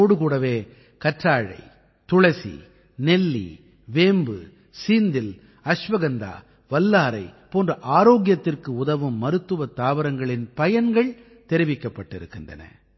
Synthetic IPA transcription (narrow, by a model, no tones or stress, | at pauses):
oːɽɯkuːɽɐʋeː | kɐʈraːɻɐ̰ɪ | t̪ʊɻɐsḭ | nɛlːḭ | ʋeːmbɯ̰ | siːnd̪ɪl | ɐʂʋɐɣɐnd̪a̰ː | ʋɐlːaːɾɐɪpoːndrɐʔaːɾoːɣɪjɐt̪ːɪrkɯʊðɐʋɯmːɐɾɯt̪ːɯʋɐt̪ːaːʋɐɾɐŋɡɐɭɪnpɐjɐnɡɐɭ | t̪ɛɾɪʋɪkːɐpːɐʈːɪɾɯkːɪndrɐ̰nɐ̰